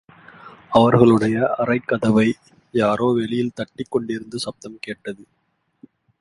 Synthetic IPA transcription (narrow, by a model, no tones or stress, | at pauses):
ɐʋɐɾɣɐɭɯɽɐjɐʔɐrɐɪkːɐðɐʋɐɪ | jaːɾoːʋɛɭɪjɪlt̪ɐʈːɪkːɔɳɖɪɾɯnd̪ɯsɐp̚t̪ɐmkeːʈːɐðɯ